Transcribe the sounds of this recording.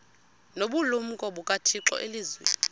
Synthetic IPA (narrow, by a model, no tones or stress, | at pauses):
noɓulum̩kʼɔɓukʼatʰiǁɔ̰ʔeliːzwḛ